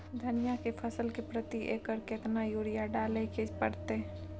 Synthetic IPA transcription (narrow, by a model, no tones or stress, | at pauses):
d̪ʱənijakepʰəsəlkepɾət̪iʔekəɾkɪt̪najuːɾijaɖaːleked͡ʒpəɽt̪e